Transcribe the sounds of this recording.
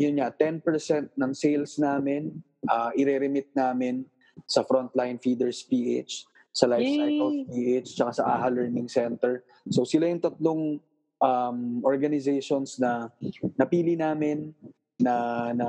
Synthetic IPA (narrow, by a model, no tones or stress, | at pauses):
jʊnɲɐt̪ɛnpɛɹsɛnt̪̚nɐŋsejlsnaːmɪn | ʔɐʔɪɾɛɾɛmɪt̪̚naːmɪn | sɐfɾont̪lajnfiːd̪ɛɹspiːʔḛt͡ʃ | sɐlajfsajt̪ʔofpiːʔet͡ʃt͡ʃːɐkasɐʔa̰ːhɐlɛɹnɪŋsɛnt̪ɛɹ | sosɪlajʊŋt̪ɐt̪loŋ | ʔamʔoɹɡɐnɪzɛjʃonsnɐnɐpiːlɪnaːmɪnː | ɐnɐ